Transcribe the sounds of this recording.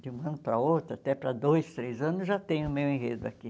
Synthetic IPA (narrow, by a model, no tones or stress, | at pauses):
d͡ʒ̪ɪũɐ̃nʊpɾɐowt̪ɾat̪ɛpɾɐd̪ojst̪ɾejzɐ̃nʊzʒat̪ẽj̃ʊʊmewẽɦed̪ʊa̰ki